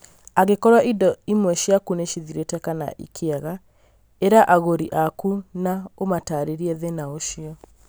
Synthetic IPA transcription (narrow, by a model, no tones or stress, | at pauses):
aɣekɔɾwaʔidɔimwɛʃjakuneʃiðiɾetɛkana̰ʔḭkʰeaɣa | eɾaʔaɣoɾiʔakunaomataɾeɾiɛðenaoʃiɔ